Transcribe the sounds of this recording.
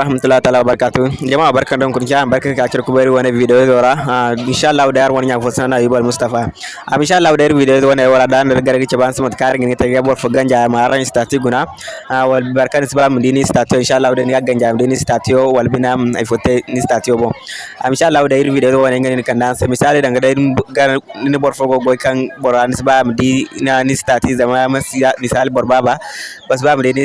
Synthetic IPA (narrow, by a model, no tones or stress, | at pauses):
ɾahmatulːaitalabaɾkatud͡ʒamawabaɾkandoŋkut͡ʃaabaɾkakakiɾkubaiwonevidejooɾainʃalːaudajaɾwanɲafosinanajubalmustafa | a̰miʃalːaudaiɾivideozowonejwoɾadanaɾɡaɾaɡit͡ʃebansimatkaɾiŋɡinɡiteɡabafoɡand͡ʒaaɾmaaɾanistatiɡuna | awalbbaɾkanːisbamudinistatijoinʃalːahudanɡaɡand͡ʒamdinistatijowalbinama̰fot̪ːenistat̪ijoboa̰miʃalːahudaiɾvideoowonaɡaninikandasemisalidaŋɡadaɡaninibɔɾfoɡoɡoikanbɔɾanisbamdinanistat̪izamamasamisalibɔɾbababas̬bamdini